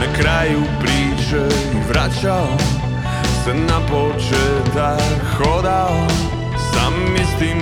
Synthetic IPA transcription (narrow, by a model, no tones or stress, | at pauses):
akɾajupɾiːt͡ʃɛ | vɾat͡ʃal | sanapɔt͡ʃɛt̪a | xɔd̪al | sa̰mːist̪iːm